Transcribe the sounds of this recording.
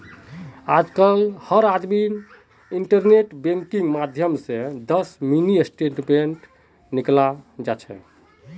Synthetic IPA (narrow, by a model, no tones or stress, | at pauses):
ad͡ʒkəlhəɾad̪mi | iɳʈəɾneʈbẽŋkiŋɡmad̪ʱjəmsẽd̪əsminiesʈeʈbenʈ | niklad͡ʒat͡ʃʰɛ̰